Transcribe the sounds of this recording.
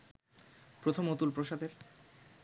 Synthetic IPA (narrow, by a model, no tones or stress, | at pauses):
pɾot̪ʰomot̪ulpɾoʃad̪eɾ